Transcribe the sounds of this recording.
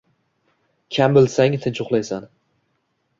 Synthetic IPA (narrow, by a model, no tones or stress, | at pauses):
kʲʰambɪlsaŋt̪ʰɪnt͡ʃʰʊqlˠajsan